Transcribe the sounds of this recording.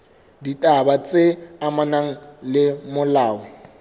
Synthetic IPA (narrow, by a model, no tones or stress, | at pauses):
ditʼabat͡sʼeamanaŋ̩lɪmʊlaːʊ